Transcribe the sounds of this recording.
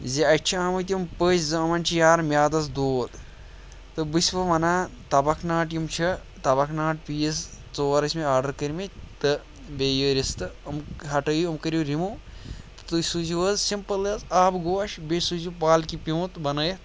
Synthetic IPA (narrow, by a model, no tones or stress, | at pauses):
ziɐt͡ʃʰiaːmɐt̪̬ʲijmpəːt͡ʃʲzɐɐmɐnʲt͡ʃʰijaːɾmjaːd̪ɐs̬d̪oːd̪ | t̪ɨbɨsʲʋɐʋɐnaːt̪ɐbɐkʰnaːʈjimt͡ʃʰɐ | t̪ɐbɐkʰnaːʈpiːist͡soːɾɐsʲmeaːɾɖɐɾkɐɾʲmit̪ɨ | bejəːɾʲist̪ɨɐmɦɐʈɐjuɐmkɐɾʲuɾimu | t̪ɨ̥t̪usuziʋəzsimpɐləzaːbɡoːʃbesuzupaːlkipʲiũt̪bɐnɐːjɐt̪